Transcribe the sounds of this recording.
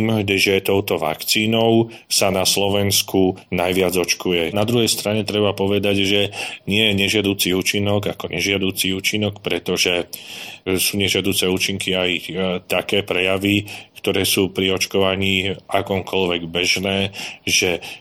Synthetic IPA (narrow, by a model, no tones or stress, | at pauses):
mdʒɛt̪ɔʊt̪ɔʋa̰kt͡siːnɔʊsanaslɔʋɛnskʰunajʋɪad͡zɔt͡ʃkujɛnad̪ɾuɦɛjst̪ɾaɲɛt̪ɾɛbapɔʋɛd̪aɟʒɛɲɪɛjɛɲɛʒɪad̪uːt͡siuːt͡ʃinɔɡakɔɲʔɛʒɪad̪uːt͡siuːt͡ʃinɔkpɾɛt̪ɔʒɛ | suːɲɛʒɪad̪uːt͡sɛuːt͡ʃiŋkiajt̪akɛːpɾɛjaʋikt̪ɔɾɛːsuːpɾiɔt͡ʃkɔʋaɲiːakɔːmkʰɔʎʋɛɡbɛʒnɛːʒɛ